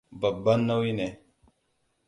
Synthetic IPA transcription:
ba˨bːa˦nːa˦wi˦ne˨

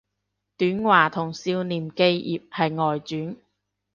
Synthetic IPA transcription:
t̪yː˨˥nwaː˨˩t̪ʰʊ˨˩ŋsiː˧wniː˨mke˧jjḭː˨p̚hɐ˨jŋɔː˨jt͡syː˨˥n

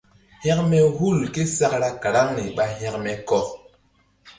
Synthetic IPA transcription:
hɛ˦k̚mɛ˦hu˦˨lke˦sa˦kɾa˦ka˨ɗa˦ŋni˨ɓa˦ɦɛ˦kmɛ˨˦kɔ˦k

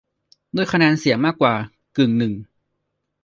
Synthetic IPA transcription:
du˥˩əjkʰa˧nɛː˧nsi˨˩˦əŋmaː˥˩kːwaː˨˩ | kɯ˨˩ŋnɯ˨˩ŋ

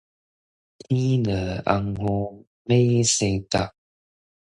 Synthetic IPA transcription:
ti˦nə˨˩a̰˧ŋho˧ | me˦se˧˦ta˦˨

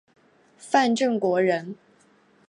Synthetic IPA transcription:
fa˥˧nʈ͡ʂə˥˩ŋkwɔ˧˥ɻə˧˦˥n

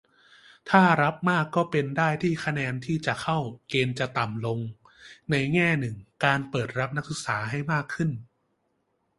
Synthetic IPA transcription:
t̪ʰaː˥˩ɾa˦˥p̚maː˥˩kːɔː˥˩pe˧ndaː˥˩jt̪ʰiː˥˩kʰa˧nɛː˧nt̪ʰiː˥˩t͡ɕa˨˩kʰa˥˩wkeː˧nt͡ɕa˨˩t̪a˨˩mlo˧ŋ | na˧jŋɛː˥˩nɯ˨˩ŋkaː˧npɤː˨˩t̪̚ɾa˦˥p̚na˦˥k̚sɯ˨˩˦k̚saː˩˦ɦa˥˩jmaː˥˩kʰːɯ˥˩n

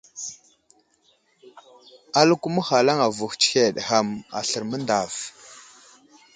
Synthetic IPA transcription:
a˦lu˦ku˦mə˦xa˨la˦ŋa˨vu˨xt͡ʃi̥˦xe˨ɗxa˦˨ma̰˨ɬə˨ɾmə˦nda˨v

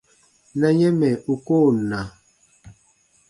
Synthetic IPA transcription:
na˨ɲɛ˦mɛ˨u˨koː˦˨na˨

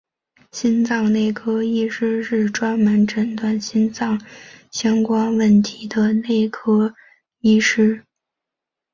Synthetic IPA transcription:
ɕi˥nt͡sɑ˥˧ŋne˥˩ɪkʰɤ˥i˥ʂɻ̩˥ʂɻ̩˥˩ʈ͡ʂwa˥nmə˧˥nʈ͡ʂə˧˥nt̪wa˥˩nɕi˥nt͡sɑ˥˩ŋɕjɑ˥ŋkwa˥nwə˥˩nt̪ʰi˧˥d̪ə˧ne˥˩ɪkʰɤ˥ | i˥ʂɻ̩˥

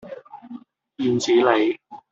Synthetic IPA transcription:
jiː˨˧˩nt͡siː˨˥le˨˧j

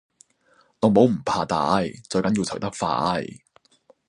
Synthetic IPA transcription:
ŋɔ˨˧˥mo˨˥wm̩˨˩pʰaː˧t̪a̰ː˨˥jt͡sɵ˧ɥkɐ˨˥nji˧wt͡sʰɐ˨˩wt̪ɐ˥k̚fa̰ː˧˥j

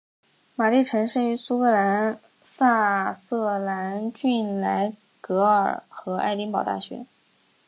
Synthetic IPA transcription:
ma˨˩li˥˩ʈ͡ʂʰɤ˧˥ŋʂə˥˩y˧˥su˥kɤ˧˥la˧˥n | sa˥˧sɤ˥˧˩la˧˥nt͡ɕy˥˩nla˧˥ɪ | kɤ˧˥ə˞˨˩xɤ˧˥a˥ɪt̪i˥ŋpɑ˨˩ʊt̪a̰˥˩ɕɥɛ̰˧˥

